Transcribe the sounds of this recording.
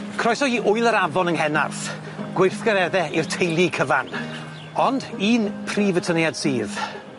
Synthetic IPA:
kʰrɔjsɔiːʔʊɨlˠəɾavɔnəŋhɛna̰rθ | ɡ̥wɪrθɡəɾɛðɛirtʰejlˠikʰəvan | ɔndiːnpʰriːvətʰənjadsiːð

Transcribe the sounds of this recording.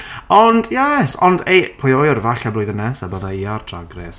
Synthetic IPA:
ɔndjɛsɔ̰ndejpʰʊjojɔrvaɬablʊjðənɛsabəðaiardʰraɡrɛs

